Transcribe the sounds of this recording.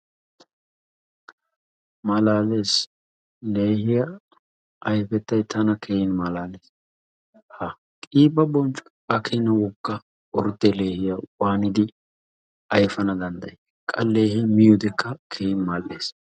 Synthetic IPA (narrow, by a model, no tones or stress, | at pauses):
mɐlaːle̞ːs | le̞ːhɪjɐ | ʔɐjfɛt̪ːɐjt̪ːɐnɐkʰejɪnmalaːleːs | hɐ | kʼiːbɐbɔnt͡ʃʼʊ | ɐkʰɛnɐwɔɡːɐ | ʔɔɾd̪ɛle̞ːhɪjɐwaːnɪd̪ɪ | ɐjfɐnɐd̪ɐnd̪ɐ̰jɛ | kʼɐ̰lːe̞ːhɪmɪjʊd̪ɛkːɐkʰejɪnmaːlːe̞ːs